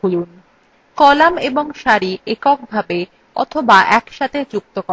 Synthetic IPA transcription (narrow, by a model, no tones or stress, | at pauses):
ulun | kɔlameboŋʃaɾiʔekɔk̚bʱabe | ɔ̰t̪ʰobaʔɛkʃat̪ʰed͡ʑuk̚t̪oko